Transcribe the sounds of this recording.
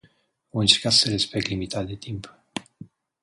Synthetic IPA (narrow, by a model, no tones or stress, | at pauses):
oɨnt͡ʃeɾkat̪səɾespek̚t̪limit̪ʰat̪̚d̪et̪ʰimp